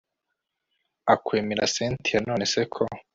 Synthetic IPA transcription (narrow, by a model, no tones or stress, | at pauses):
akweːmiɾa̰seːntijano̞ːne̞se̞kʰo